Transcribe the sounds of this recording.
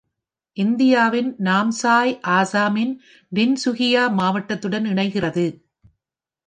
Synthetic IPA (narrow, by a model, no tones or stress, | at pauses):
ʔɪnd̪ɪjaːʋɪnnaːmsaːjʔaːsaːmɪn | ʋɪnsʊɣɪjaːmaːʋɐʈːɐt̪ːɯɽɐnɪɳɐɪɣɪrɐðɯ